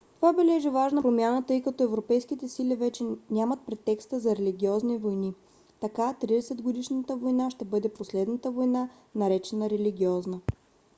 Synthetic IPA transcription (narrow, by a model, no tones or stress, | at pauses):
t̪ovabɛlɛʒivaʒnəpɾomʲjanət̪ɤjkɐt̪ɔɛvɾopɛjskit̪ɛsilivɛt͡ʃɛnʲamət̪̚pɾɛt̪ːɛkst̪əzɐɾɛliɡʲiɔznivojni | t̪ɐkat̪ɾid̪ɛsɛd̪ɡod̪iʃnət̪əvojnaʃt̪ɛbɤd̪ɛposlɛd̪nət̪əvojna | nɐɾɛt͡ʃɛnəɾɛliɡʲiɔznə